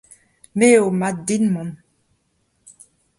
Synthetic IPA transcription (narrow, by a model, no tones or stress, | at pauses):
meomat̚d̪inmɔ̃n